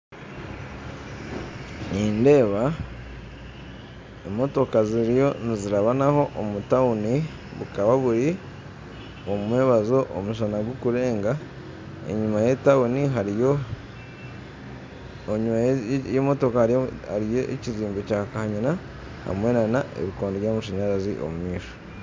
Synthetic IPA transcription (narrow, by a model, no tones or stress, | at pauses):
niːnde̞ːβa | emo̞to̞kaziɾijo̞niziɾaβanaho̞ʔomutauni | βukaβaβuɾi | omweːβazoʔo̰muʃ̬anaɡwokuɾe̞ːŋɡa | e̞̰ɲumajetauniɦaɾijo | ɲumajemo̞to̞kaha̰ɾijoʔḛciziːmbe̞cakahaɲina | ha̰mwe̞nanaʔḛβikoːndoβjamuʃaɲaɾazḭʔo̞̰mumiːʃo̥